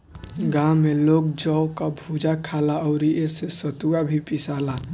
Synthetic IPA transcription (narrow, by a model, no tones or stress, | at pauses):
ɡãmelok̚d͡ʒɔʊkabʱud͡ʒakʰalaɔʊɾiʔesesət̪uabʱipisala